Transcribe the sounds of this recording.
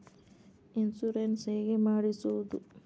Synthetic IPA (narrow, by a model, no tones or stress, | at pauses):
insuɾenseːɡemaːɽisuʋd̪u